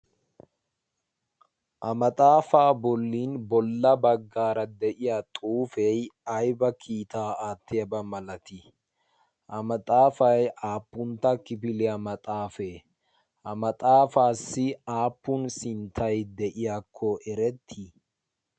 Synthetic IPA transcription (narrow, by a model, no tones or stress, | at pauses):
ʔɐmɐt̪ʼaːfaːbɔlːiːnbɔlːɐbɐɡːaːɾɐd̪ɛʔɪjat̪ʼuːfɛjɐjbɐkʰiːt̪aːaːt̪ːɪjɐbɐmɐlɐt̪ɪ | ʔɐmɐt̪ʼaːfɐjʔaːpːʊnt̪ːɐkɪpɪlɛamɐt̪ʼaːfeː | ʔɐmɐt̪ʼaːfaːsːɪaːpːʊnsɪnt̪ʰɐjd̪ɛʔɪjakʰːɔʔɛɾɛt̪ʰːi